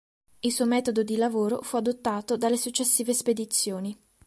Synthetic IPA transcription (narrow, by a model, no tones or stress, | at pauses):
ilsuːomɛːt̪od̪od̪ilavoːɾofuad̪ot̪ːaːt̪od̪alːesut͡ʃːesːiːvesped̪it̪sːjoːni